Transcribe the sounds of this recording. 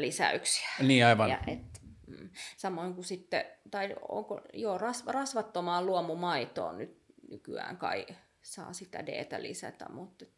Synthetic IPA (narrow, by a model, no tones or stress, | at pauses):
lisæ̰yksi̥æ̥niːɑiʋɑjɑʔet̪m̩ːsɑmoiŋkusit̪ːḛt̪ɑio̰ŋko̰joːrɑsrɑsʋɑt̪ːomɑːlluomumɑit̪o̰ːnyt̪nykyæ̰ːŋkɑ̰i | sɑ̰ːsit̪æ̰dḛːt̪ɑlḭsæ̰t̪æ̰mut̪ːet̪